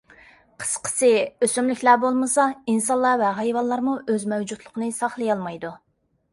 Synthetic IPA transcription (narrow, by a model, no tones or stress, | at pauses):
qʰə̥sqʰə̥sɪøsymlykʲlæbolˠmɨsɑinsɑnlˠːɑvɛɦɑjvɑllˠːɑɾmuʔøzmɛwd͡ʒut̪ʰlˠəqʰənɨsɑχlˠɨjɑlˠmɑjd̪u